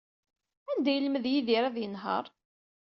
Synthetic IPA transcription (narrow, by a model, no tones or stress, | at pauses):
ænd̪æjəlməðjiðiɾæðjənɦə̰ɾˤ